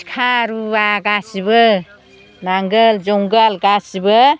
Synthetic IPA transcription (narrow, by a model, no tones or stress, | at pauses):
kʰaɾuaɡasibɯ | naŋɡəld͡ʒɔŋɡalɡasibɯ